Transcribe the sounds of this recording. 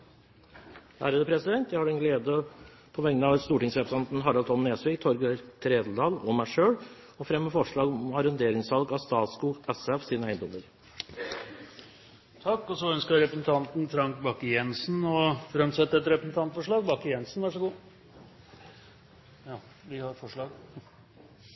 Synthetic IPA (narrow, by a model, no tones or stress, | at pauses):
hæ̰ːɾəd̪əpʰɾɛsɪd̪ɛnt̪jæɪhɑɖɛnɡleːd̪ə | pʰɔʋɛŋənəɑʋst̪uːʈɪŋsɾɛpɾəsɑnt̪nɦɑɾɑlt̪ʰɔnːeːsʋɪːɡt̪ʰɔɾɡət̪ʰɾeːd̪ld̪ɑːlɔmæɪʂøːɽ | ɔfɾɛmːəfɔʂɭɑːɡɔɔmɑɾənd̪eːɾɪŋsʋɑlɡɑst̪ɑːt̪skuːɡɛsɛfsiːnəæɪnd̪ɔmːəɾ | t̪ʰɑkːɔsɔœnskəɾɾɛpɾəsn̩t̪ʰɑnt̪n̩fɾɑŋkbɑkːəjɛnsn̩ɔfɾɛmt̪sɛt̪ːəɛt̪ɾɛpɾəsn̩t̪ɑnt̪fɔʂɭɑːɡbɑkːəjɛnsn̩ʋæʂɔɡuː | jɑ | ʋɪhɑɾfɔʂɭɑːɡ